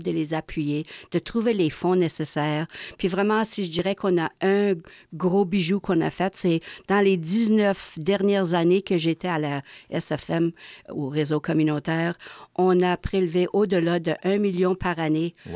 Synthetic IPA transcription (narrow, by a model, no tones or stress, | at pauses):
d̪əlezapʰɥijed̪̥ət̪ʁuvelefɔ̃nesesɛːʁpɥivʁɛmɑ̃siʒəd̪iːʁɛkɔ̃naœ̃ | ɡʁobiʒukɔ̃na̰fɛt̪sɛd̪̥ɑ̃led̪iznœfd̪ɛʁnjɛːʁzanekəʒet̪ɛalaɛsɛfɛmoʁezokɔmynot̪ɛːʁɔ̃napʁ̥elveʔod̪əlad̪əʔœ̃miljɔ̃paʁane